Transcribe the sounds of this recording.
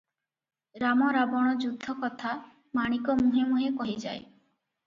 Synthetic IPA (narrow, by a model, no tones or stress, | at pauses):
ɾamɔɾabɔɽ̃ɔd͡ʒud̪ʱːɔkɔt̪ʰa | maɽ̃ikɔmuɦemuɦekɔɦid͡ʒa̰j